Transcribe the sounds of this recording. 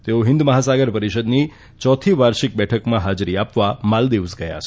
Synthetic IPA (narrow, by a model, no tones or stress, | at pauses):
t̪eoɦɪ̃nd̪məɦasaɡəɾpəɾiʃəd̪ni | t͡ʃɔt̪ʰiʋaɾʃik̚bɛʈʰəkmãɦad͡ʒɾiapʋamald̪eʋsɡəja̰t͡ʃʰ